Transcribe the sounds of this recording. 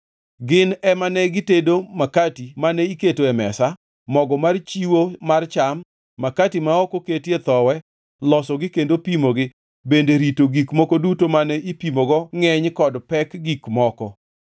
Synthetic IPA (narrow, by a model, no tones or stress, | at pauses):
ɡɪnɛmanɛɡɪtedomakatimanɛiketoɛmɛ̰sa | mɔɡɔmart͡ʃiwomart͡ʃamː | akatimaɔkoketet̪ɔwɛ | lɔsɔɡɪkendopimoɡɪ | bendeɾitoɡikmɔkodutomanɛʔipimoɡɔŋɛɲkɔdpɛkɡikmɔkɔ